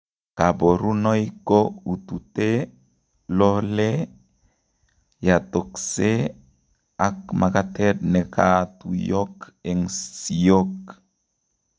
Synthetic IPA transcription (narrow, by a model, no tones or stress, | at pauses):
kaboɾunɔjikout̪ute | lɔle | jat̪ɔkse | akmakatɛt̚nekatujɔkɛŋsiok